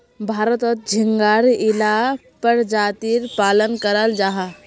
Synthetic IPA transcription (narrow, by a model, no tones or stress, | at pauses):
bʱaːɾət̪ɔt̪̚d͡ʒʱiŋɡaɾila | pəɾd͡ʒaːt̪iɾpaːlənkəɾəld͡ʒaɦa